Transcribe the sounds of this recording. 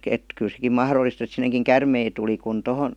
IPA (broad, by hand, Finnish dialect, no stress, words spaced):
et kyl sekim mɑhrolːist et sineŋkiŋ kærmei tuli kun tohon